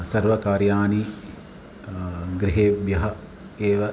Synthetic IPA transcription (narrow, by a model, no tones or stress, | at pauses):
sɐɾʋɐkaːɾjaːni | ɡɾɪɦeːbjɐɦɐ | eːʋɐ